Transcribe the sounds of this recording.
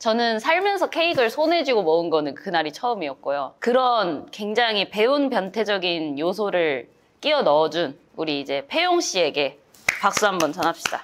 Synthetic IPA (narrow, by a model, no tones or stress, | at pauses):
t͡ɕʌnɯnsʰaɭmjʌnsʰʌkʰe̞iɡɯɭsʰonɦe̞d͡ʑiɡomʌɯnɡʌnɯnkɯnaɾit͡ɕʰʌɯmiʌk̚k͈ojokɯɾʌnkwe̞ŋd͡ʑaŋɦipe̞unpjʌntʰe̞d͡ʑʌɡinjosʰoɾɯɭ | k͈iʌnʌd͡ʑun | uɾiːd͡ʑe̞pʰe̞joŋɕ͈ie̞ɡe̞ | pak̚s͈uɦambʌnt͡ɕʌnɦap̚ɕ͈i̥d̥a